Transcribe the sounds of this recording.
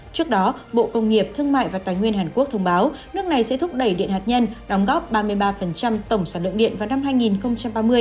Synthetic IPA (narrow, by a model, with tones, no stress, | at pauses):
t͡ɕɨ˦˥ək̚ɗɔ˨˦ɓo̰˧˨kə˧wŋ͡mŋi˨˩əp̚t̪ʰɨ˧əŋma̰ː˧˨jvaː˨˩t̪aː˨˩jŋwi˧ənɦaː˨˩nku˦˥ək̚t̪ʰə˧wŋ͡mɓaː˨˦wnɨ˦˥ək̚na˨˩jsɛ̰˧˥t̪ʰʊ˦˥k͡p̚ɗə˧˩jɗḭ˧˨ənhaː˨˩t̚ɲə˧nɗɔ˨˦wŋ͡mɣɔ˦˥p̚ɓaː˧mɨ˧əjɓaː˧fə˨˩nt͡ɕa˧mt̪ə˧˩wŋ͡msaː˧˩lə̰˧˨nɗḭ˧˨ənvaː˨˩wna˧mɦaː˧jŋi˨˩nxə˧wŋ͡mt͡ɕa˧mɓaː˧mɨ˧əj